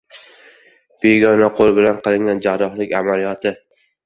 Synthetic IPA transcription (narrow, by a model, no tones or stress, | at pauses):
b̥e̞ɡʲɒnaqʰolˠbɪlanqɨlˠɪŋɡʲand͡ʒaɾɒχlɪkʲamalijɒt̪ʰɪ